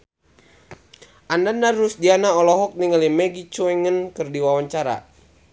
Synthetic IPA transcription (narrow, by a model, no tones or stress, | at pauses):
ʔandandarːusdianaɔlɔɦɔk̚niŋalimɛɡit͡ʃɔɛŋənkɨrdiwawaɲt͡ʃaɾa̰